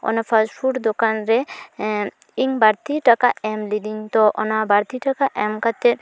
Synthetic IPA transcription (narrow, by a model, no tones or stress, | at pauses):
ɔ̰napʰasʈpʰuʈd̪ɔkanɾɛ | iŋbaɾt̪iʈakaɛmlid̪iŋt̪ɔʔɔnabaɾt̪iʈakaʔɛmkat̪ɛt